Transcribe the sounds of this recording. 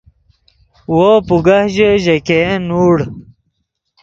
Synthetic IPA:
woːpuɡɐhʑəʑɐkenuːɽ

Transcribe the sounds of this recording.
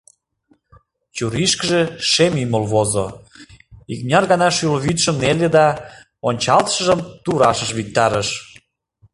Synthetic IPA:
t͡ɕuɾiʃkəʒĕʃemiməlβozo̰ | ik̚nʲɑrɣɑnɑʃyloβit̪ʃəmneled̪ɑ | onʲt͡ɕɑlt̪ə̥̆ʃə̆ʒəmt̪uɾɑʃəʃβik̚t̪ɑɾəʃ

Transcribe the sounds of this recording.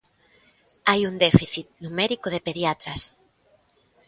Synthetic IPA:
ajund̪efiθit̪̚numɛɾikoðepeðjat̪ɾas

